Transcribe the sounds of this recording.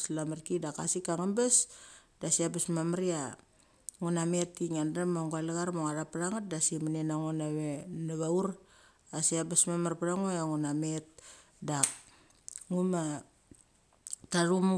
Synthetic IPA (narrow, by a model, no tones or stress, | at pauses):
slamarkidaka̰sikaŋambasdasiabasmamaɾia | ŋunametːiŋandamaŋɡualaɣaɾmoŋaɾapaɾaŋat̚dasimanenaŋonaβenaβauɾ | asiabasmamarpaɾaŋojaŋunamet̚ | dak̚ | ŋuma | taɾum